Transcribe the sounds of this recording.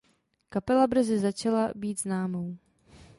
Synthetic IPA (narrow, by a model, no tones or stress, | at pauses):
kapɛlabɾ̩zɪzat͡ʃalabiːt̪znaːmow